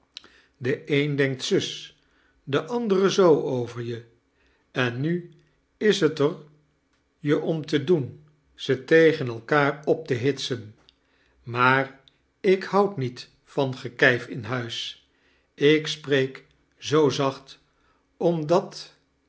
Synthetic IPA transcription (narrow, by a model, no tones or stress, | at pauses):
dəʔejndɛŋk̚tsʏs | dəʔɑndərəzowʔowvəɹjə | ɛnːy | ɪsɦətər | jəʔɔmtədun | z̥ətejχənɛlˠkaːrɔp̚təɦɪtsən | maːr | ɪkhʌwtnit | fɑnχəkɛjfɪnɦœɥs | ɪksprejk | zowzɑχt | ɔmdɑt